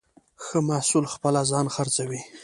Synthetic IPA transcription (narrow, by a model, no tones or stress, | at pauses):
xəmasulxpəlazɑnxaɾt͡sawi